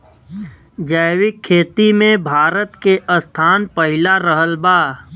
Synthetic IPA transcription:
d͡ʒəjwɪkʰːeːt̪imẽbʱaːɾət̪keʔəst̪ʰaːnpəɦɪlaɾəɦəlbaː

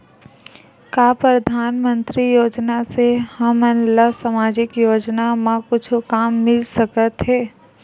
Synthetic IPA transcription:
kaːpɾəd̪ʱaːnmə̃nt̪ɾijoːd͡ʒnasehəmənlasəmaːd͡ʒɪkjoːd͡ʒnamãkʊt͡ʃʰkaːmːɪlsəkət̪ɦɛː

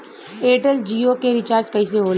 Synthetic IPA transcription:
eːʈəld͡ʒiːokeɾɪt͡ʃaːɾt͡ʃkɐis̬eɦoːl

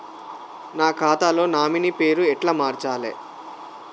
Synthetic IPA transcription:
naːkʰaːt̪alo̞ːnaːminipe̞ːɾuɛʈlaːmaːɾt͡ʃaːlḛː

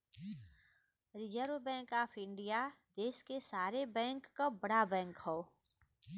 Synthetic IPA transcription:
ɾɪd͡ʒəɾwbɛ̃ːŋkaːpʰɪ̃ɳɖɪjad̪eːskesaːɾebɛ̃ːŋkːabəɽabɛ̃ːŋkhoː

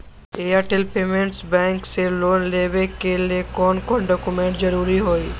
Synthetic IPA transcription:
eːaʈelpeːmẽɳʈsbɛ̃ːŋkseloːnleːʋekeliekɔːnkɔːnɖɔːkumẽɳʈd͡ʒɐɾuːɾiɦoːiː

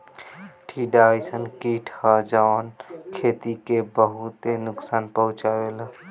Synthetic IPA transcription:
ʈʰiɖasənkiʈʰad͡ʒaʋənkʰeːt̪ikebəɦut̪enʊksaːnpəɦʊ̃t͡ʃaːʋel

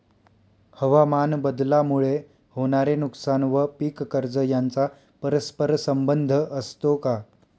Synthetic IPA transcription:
həʋamanbəd̪lamuɭe | hoɽ̃aɾenuksanʋəpiːkːəɾd͡zəjant͡sa | pəɾəspəɾsəmbənd̪ʱəʔəst̪oka

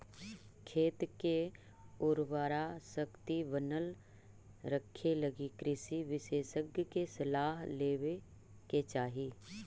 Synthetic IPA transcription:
kʰeːt̪ke | ʊɾʋaːɾasəkt̪iʋənəl | ɾəkʰːeləɡikɾɪʃiʋɪʃeːʃəɡjkesəlaːɦleːwe | ket͡ʃaːɦiː

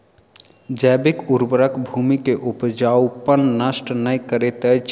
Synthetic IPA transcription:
d͡ʒɛːbekuɾbəɾəkbʱumikeʔupd͡ʒawpənːəsʈnəjkəɾet̪ət͡ʃʰ

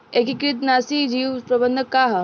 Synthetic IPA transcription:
ekikɾɪt̪naːsiːd͡ʒiːʋpɾɐbənd̪ʱəkːaːɦ

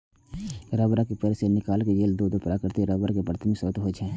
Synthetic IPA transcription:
ɾabɾakipəɾsenɪkaːlked͡ʒeːld̪uːd̪opɾaːkəɾt̪iɾəːbɾakepəɾt̪ʰmẽsot̪ɦod͡ʒɛ̃ː

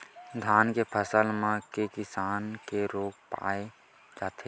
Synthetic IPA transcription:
d̪ʱaːnkepʰəsəlmãkekɪsaːnkeɾoːɡpa̰ːe | d͡ʒaːt̪ʰe

